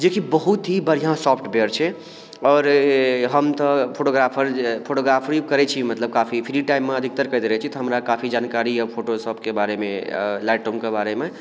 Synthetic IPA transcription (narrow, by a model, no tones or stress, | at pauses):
d͡ʒekibəɦut̪ɦibəɾijãsɔpʰʈbeɾt͡ʃʰɛ | ɔːɾɦəmt̪ɔpʰoʈoɡɾapʰəɾpʰoʈoɡɾapʰɾikəɾɛt͡ʃʰimət̪ləb̚kapʰipʰiɾiʈaimːeəd̪ʱik̚t̪əɾkəjt̪ɾɛɦt͡ʃʰit̪ɔɦəmɾakapʰid͡ʒankaɾiəpʰoʈosəbkebaɾemelaɪʈomkebaɾeme